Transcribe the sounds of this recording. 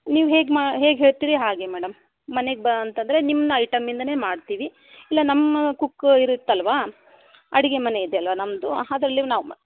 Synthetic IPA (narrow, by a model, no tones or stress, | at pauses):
niːʋuɦe̞ːɡmaɦe̞ːɡɦe̞ːɭt̪iːɾiɦaːɡe̞mɛːɽɐmː | ɐne̞ɡebɐnt̪ɐnd̪ɐɾe̞nimːd̪ɐɐjʈɐmːind̪ɐne̞ːmaːɖt̪iːʋi | ilːɐnɐmːɐkukːiɾut̪ːɐlʋaː | ɐɽiɡe̞mɐne̞id̪eɐlʋaːnɐmd̪uad̪ɾɐlːinaːʋm